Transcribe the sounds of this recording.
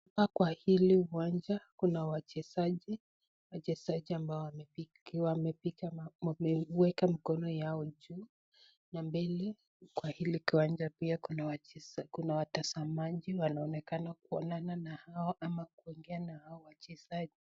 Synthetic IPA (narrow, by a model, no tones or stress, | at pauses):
hpakwahiliuwand͡ʒakunawat͡ʃɛzaʄi | wat͡ʃɛzaʄiambaɔwai | wamɛpikaɛwɛkamikɔnɔjaɔd͡ʒuː | nambɛlɛ | kwahilikiwand͡ʒapiakunawat͡ʃɛskunawatazamaʄiwanaɔnɛkanak̚uɔnananahaɔʔamak̚uiŋɡɛanahaɔwat͡ʃɛzaʄi